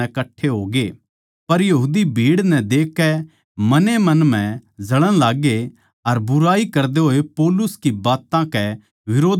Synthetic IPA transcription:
ɛkɐʈʰːeɦoːɡe | pɐɾjɐɦuːd̪ibʱiːɽnɛd̪eːkːɛ | mɐnemɐ̃nm̤ɛ̃d͡ʒɐɽə̃ɽ̃laːɡe | ɐɾbʊɾaːikɐɾd̪eɦoːepɔːlʊskibaːt̪ãkɛ | ʋɪɾoːd̪

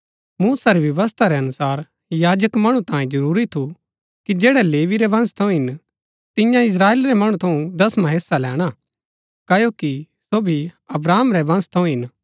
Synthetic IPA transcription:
muːsaɾiʋjɐʋəs̬t̪ʰaɾɛɐnʊsaːɾ | jaːd͡ʒəkmɐɽ̃ũt̪ãːjẽd͡ʒɐɾuːɾit̪ʰu | kid͡ʒɛːɽɛleːʋiɾɛʋɐ̃nst̪ʰɐ̃ũɦɪn | t̪ɪjãɪs̬ɾaːeːlɾɛmɐɽ̃ut̪ʰɐ̃ũd̪ɐsmɐɦeːsalɛːɽ̃a | kɐjoki | soːbʱiɐbɾaːmɾɛʋɐ̃nst̪ʰɐũɦɪn

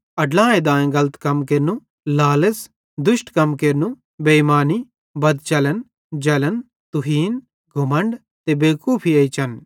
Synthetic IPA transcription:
ɐɖlãːẽd̪ãːẽɡɐlət̪kɐmkeːɾnũ | laːləs | d̪ʊʃʈkɐmkeːɾnũ | bemaːni | bɐd̪t͡ʃɐlən | d͡ʒɐlən | t̪ʊɦiːn | ɡʱʊmə̃ɳɖ | t̪ebeːkuːpʰiɐit͡ʃɐn

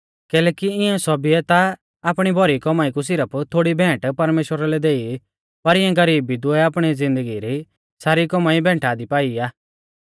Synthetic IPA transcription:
kɛːlɛːkiɪɛ̃sɔbiɛt̪aː | pɽ̃ibʱɔɾikɔmaːikus̬ɪɾəpʰt̪ʰoːɽibʱɛ̃ːʈpɐɾmeːʃwəɾalɛd̪eːi | pɐɾɪ̃ɛ̃ɡɐɾiːbid̪uɛaːpɽ̃id͡zɪ̃nd̪əɡiɾi | saːɾikɔmaːibʱɛ̃ːʈʰaːd̪ipaːiaː

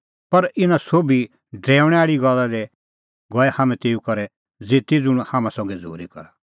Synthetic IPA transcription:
pɐɾɪnãsoːbi | ɖɾɛːʊɽ̃ɛ̃aːɭiɡɐlːad̪ɛ | ɡɔɛhaːmɛ̃t̪eːukɐɾɛ | d͡zeːt̪id͡zʊɽ̃haːmãsɔ̃ːŋɡɛd͡zo̰ːɾikɐ̰ɾa

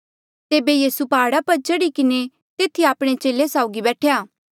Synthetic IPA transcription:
t̪eːbejiːsupaːɽapɐɾt͡ʃəɽikɪne | t̪eːt̪ʰiaːpɽ̃et͡ʃeːlesaːʊɡibɛːʈʰejaː

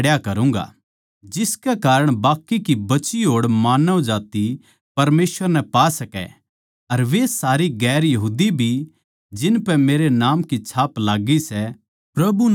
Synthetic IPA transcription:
ɽjakɐɾũːŋɡa̰ | d͡ʒɪskɛkaːɾəɽ̃baːkːikibɐt͡ʃiɦoːɽmaːnəõd͡ʒaːt̪i | pɐɾmeːsʋəɾnɛpaːsɐkɛ̰ | ɐɾʋesaːɾiɡɛːɾjɐɦuːd̪ibʱi | d͡ʒɪnpɛmeːɾenaːmkit͡ʃʰaːplaːɡisɛ | pɾɐbu

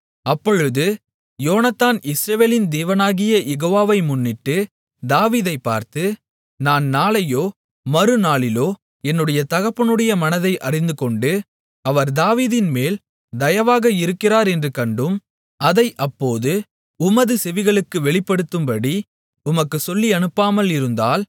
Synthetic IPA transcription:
ɐpːɔɻɯðɯ | joːnɐt̪ːaːnɪsɾɐʋeːlɪnd̪eːʋɐnaːɣɪjɐjɛɣoːʋaːʋɐɪmʊnːɪʈːɯ | d̪aːʋiːðɐɪpːa̰ːɾt̪ɯ | naːnnaːlɐjoː | mɐɾɯnaːɭɪloː | ɛnːɯɽɐjɐt̪ɐɣɐpːɐnɯɽɐjɐmɐnɐðɐɪʔɐrɪnd̪ɯkɔɳɖɯ | ɐʋɐɾd̪aːʋiːðɪnmeːl | d̪ɐjɐʋaːɣɐɪɾɯkːɪraːɾɛndrɯkɐɳɖɯm | ɐðɐɪʔɐpːoːðɯ | ʊmɐðɯsɛʋɪɣɐɭɯkːɯʋɛɭɪpːɐɽɯt̪ːɯmpɐɽi | ʊmɐkːɯsɔlːiɐnɯpːaːmɐlɪɾɯnd̪aːl

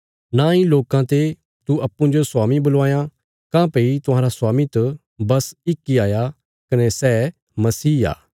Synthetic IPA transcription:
naĩloːkãt̪e | t̪uɐpːũd͡ʒosʊwaːmĩbʊlʋaːjã | kãːpeit̪ʊ̃ɦãːɾaswaːmit̪ɐ | bɐsɪkːiaːja | kɐnesɛː | mɐsiːa̰ː

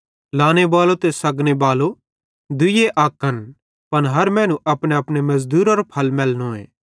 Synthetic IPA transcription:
laːñebaːlot̪esɐɡñebaːlo | d̪ʊjeʔaːkːɐn | pɐnɦɐɾmɛ̃ːnũʔɐpɽ̃eɐpɽ̃emɐzd̪uːɾɔɾpʰɐlmɛːlnoḛː

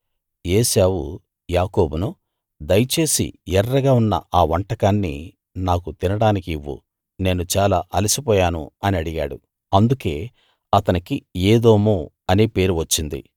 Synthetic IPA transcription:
eːsaːwṵ | jaːko̞ːbunu | d̪ɐjɐt͡ʃe̞ːsḭɛrːɐɡaːunːɐ̰aːʋɐɳʈɐkaːnːḭ | naːkut̪inɐɽaːnikiiʋːṵ | ne̞ːnut͡ʃaːlaːʔɐlisipɔːjaːnṵɐniɐɽiɡa̰ːɽu | ɐnd̪uke̞ː | ɐt̪ɐnikieːd̪oːmu | ɐnieːpe̞ːɾuʋɐt͡ʃːind̪ḭ

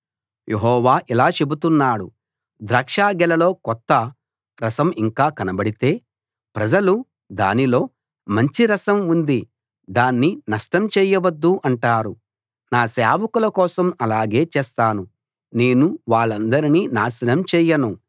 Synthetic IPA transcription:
jʔeɦɔːʋaːʔilaːt͡ʃe̞but̪unːaːɽu | d̪ɾaːkʂaːɡɛlɐlo̞ːkɔt̪ːɐ | ɾɐsɐmiŋkaːkɐnɐbɐɽit̪e̞ː | pɾɐd͡ʒɐlu | d̪a̰ːnilo̞ː | mɐɲt͡ʃiɾɐsɐmund̪i | d̪aːnːinɐʂʈɐmt͡ʃɛːjɐʋɐd̪ːuʔɐɳʈaːɾu | naːsaːʋɐkulɐkɔːsɐmɐlaːɡe̞ːt͡ʃɛːst̪aːnu | ne̞ːnuʋaːɭːɐnd̪ɐɾiniːnaːsɐnɐmt͡ʃɛːjɐnu

